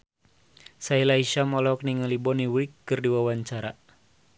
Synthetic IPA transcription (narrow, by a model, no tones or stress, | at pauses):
sailaiʃamɔlɔk̚niŋalibɔniwikːɨrdiwawaɲt͡ʃaɾa